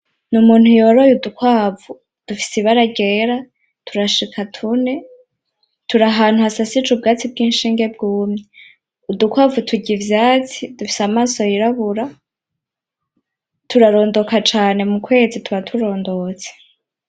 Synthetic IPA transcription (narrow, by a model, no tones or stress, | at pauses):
numuːn̥hujo̞ːɾojudukwaːvu | d̥ufi̥siβaɾaɡeːɾa | tʰuɾaʃikʰatʰune̞ | tuɾaɦaːn̥huasasit͡ʃub̚ɡaːt͡sib̚ɡiːnʃiːŋɡe̞bɡuːmɲe | udukwaːvutʰuɟivjaːt͡sidufi̥samaːso̞jiɾaβuɾa | tʰuɾaɾo̞ːndo̞kat͡ʃaːne̞mukwe̞ːzitʰuβatʰuɾo̞ːndo̞t͡se̥